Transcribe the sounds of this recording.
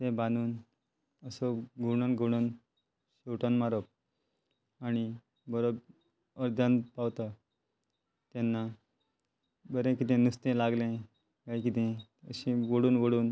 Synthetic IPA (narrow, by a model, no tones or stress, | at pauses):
t̪ɛ̃banuːn | əsɔɡʱuɽənɡʱuɽ̃ən | ɕiwʈənmaɾəp̚ | ani | bəɾob | əɾd̪ʱjanpaʋt̪a | t̪enːa | bəɾẽkit̪ɛ̃nust̪ẽlaɡlẽ | kaik̬it̪ɛ̃əɕĩʋəɽuːnʋəɽuːn